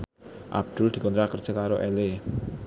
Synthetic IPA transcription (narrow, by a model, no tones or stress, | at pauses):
ʔa̰b̚d̪̥ʊ̤ld̪̥i̤kɔnt̪ɾakərd̥ʒ̥ə̤kaɾoʔɛle